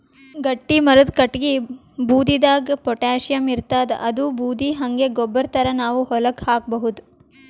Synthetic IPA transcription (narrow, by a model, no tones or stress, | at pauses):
ɡɐʈːimɐɾud̪kɐʈɡi | buːd̪id̪aːɡɐpɔʈaːʃijɐmiɾt̪aːd̪̰ʔɐd̪ubʱuːd̪ʱiɦɐŋɡe̞ɡɔbːɐɾt̪ʰɐɾɐnaːʋuhɔlɐkhaːk̚bɐɦud̪u